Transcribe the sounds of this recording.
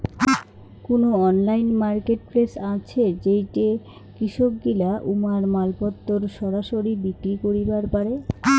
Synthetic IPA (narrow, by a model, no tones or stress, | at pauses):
konoɔnlajnmaɾkeʈ̚pɾesat͡ɕʰed͡ʑejʈe | kɾiʃok̚ɡilaʔumaɾmalpɔt̪ːoɾʃɔɾaʃoɾibikɾikoɾibaɾpaɾe